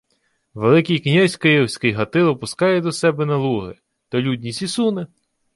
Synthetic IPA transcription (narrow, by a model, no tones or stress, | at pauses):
ʋelˠɪkijknʲazʲkɪjɔwsʲkɪjɦɐt̪ɪlˠɔpʊskɑjɛd̪ɔsɛbɛnɐlˠuɦɪ̰ | t̪ɔlʲudʲnʲisʲisunɪ